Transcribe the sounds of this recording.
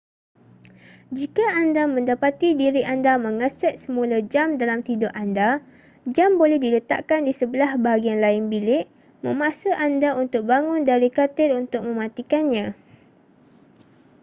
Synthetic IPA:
d͡ʒikaʔandamə̃ndapat̪idiɾiʔandamə̃ŋasɛt̪̚səmũlad͡ʒamdalamt̪idɔʔanda | d͡ʒambolɛhdilət̪a̰ʔkandisəbəlahbaɦaɡianlaɪnbilɪʔ | mə̃masaʔandaunt̪ʊk̚baŋʊndaɾikat̪ɪt̪unt̪ʊk̚mə̃mãt̪ikanɲã

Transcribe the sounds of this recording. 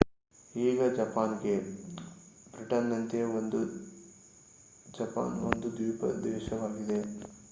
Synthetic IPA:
iːɡɐd͡ʒɐpaːnɡe̞ | bɾiʈɐnːɐnt̪eond̪u | d͡ʒɐpa̰ːno̰nd̪ud̪ʋiːpɐ̰d̪ɛːʃɐʋaːɡid̪e̞

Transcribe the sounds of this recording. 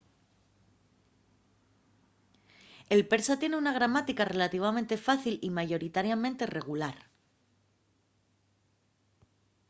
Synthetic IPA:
e̞lpe̞ɾsat̪je̞ne̞unaɣ̞ɾamat̪ikare̞lat̪iβ̞amẽ̞nt̪e̞faθilimaʝo̞ɾit̪aɾjamẽ̞nt̪e̞re̞ɣ̞ulaɾ

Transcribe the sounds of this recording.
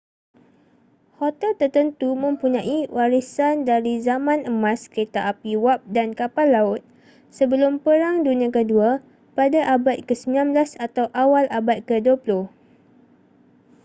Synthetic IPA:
hɔt̪ɛlt̪ərt̪ənt̪umə̃mpuɲãʔiwaɾisandaɾizamãnəmãskəɾet̪aʔapiwap̚dankapalːaʊt̪̚ | səbəlʊmpəɾaŋdunĩãkədua | padaʔabat̪̚kəsəmilãnbəlasat̪awʔawalʔabat̪̚kəduapulʊh

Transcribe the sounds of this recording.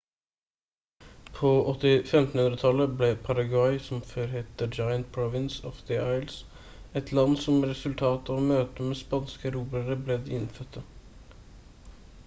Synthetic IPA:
pʰoːʔɔt̪ːɪfɛmt̪n̩hʉnd̪ɾət̪ʰɑləblɛpʰɑɾɑɡɑɪsɔmføːɾheːt̪əd͡ʒɑɪənt̪̚pʰɾɔʋɪnsɔfd̪ɪɑɪls | ɛt̪ʰlɑnːsɔmɾɛsʉlt̪ʰɑːt̪ɑʋmøːt̪əmeːspɑnskəɾuːbəɾəblɛd̪ɛɪnfœt̪ʰːə

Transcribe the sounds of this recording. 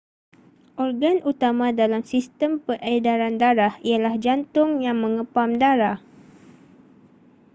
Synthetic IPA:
ʔɔrɡanut̪amãdalamsist̪əmpərʔedaɾandaɾahialahd͡ʒant̪ʊŋjaŋmə̃ŋəpamdaɾah

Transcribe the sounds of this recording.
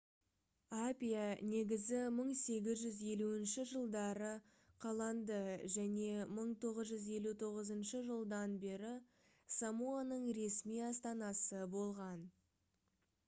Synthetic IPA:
apʲijane̞ɡʲɪzɪməɴse̞ɡʲɪzʒʏzje̞luɪnʃɪʒəlˠd̪ɑɾə | qʰɑlˠɑnd̪əʒæne̞məɴt̪ʰo̞ʁəzʒʏze̞lut̪ʰo̞ʁəzənʃəʒəlˠd̪ɑnbe̞ɾɪ | samuanəɴɾe̞smijɑst̪ɑnɑsəbo̞lˠʁɑn

